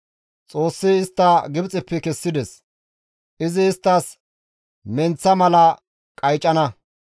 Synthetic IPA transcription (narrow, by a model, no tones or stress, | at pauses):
t͡sʼo̞ːsːɪɪst̪ːɐɡɪbt͡sʼɪpːɛkɛsːɪd̪ɛs | ʔɪzɪːst̪ːɐs | mɛnt͡sːɐmɐlɐ | kʼɐjt͡ʃʼːɐnɐ